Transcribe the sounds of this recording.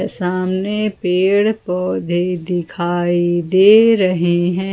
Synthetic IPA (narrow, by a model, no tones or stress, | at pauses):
saːmnepeːɽpɔːd̪ʱid̪ɪkʰaːid̪eːɾɐɦeɦɛ̃ː